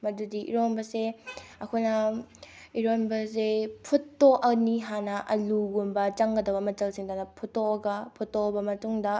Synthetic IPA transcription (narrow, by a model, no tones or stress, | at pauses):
mɐdudiʔḭɾonbɐseɐkʰojnɐ | iɾonbɐsepʰutːoʔɐniɦanɐʔɐluɡumbɐt͡ʃɐŋɡɐdɐbɐmɐt͡ʃɐlsiŋdanɐpʰutːoɐɡɐpʰutːobɐmɐtuŋdɐ